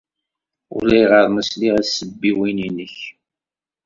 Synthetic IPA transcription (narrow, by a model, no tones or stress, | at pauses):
ʊ̰læjʁəɾˤnəsliʁæsːəbːiwininəç